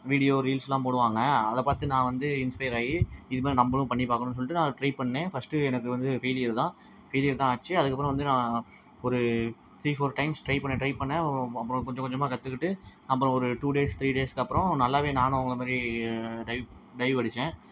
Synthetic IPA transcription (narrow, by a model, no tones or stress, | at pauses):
ʋiːɽɪjoːɾiːlslãːpoːɽɯʋaːŋɡɐɐðɐpaːɾt̪ɯnãːʋɐnd̪ɯɪnspɐɪɾaːjiɪðɯmaːɾinɐmbɐlɯ̃pɐɳːipaːkɐɳʊnːɯs̬ɔlːɪʈːɯnãːʈɾɐɪpɐɳːẽːfɐsʈɯɛnɐk̬ːɯʋɐnd̪ɯfeːlɪjɐɾt̪ãː | feːlɪjɐɾt̪ãːɐːt͡ʃːɯɐðɯkːɐpːɯɾɔ̃ʋɐnd̪ɯnãː | ɔɾɯ | t̪ʰɾiːfoːɾʈɐɪmsʈɾɐɪpɐɳːẽːʈɾɐɪpɐɳːẽɐpːɾɔ̃kɔɲd͡ʒɔ̃kɔɲd͡ʒɐmaːkɐt̪ːɯkːɪʈːɯɐpːɯɾɔ̃ɔɾɯʈuːɖeːst̪ʰɾiːɖeːskɐpːɯɾɔ̃nɐlːaːʋeːnaːnʊ̃ɐʋʊŋɡɐɭɐmaːd̪ɾiɖɐɪ | ɖɐɪʋʋɐɽɪt͡ʃːẽː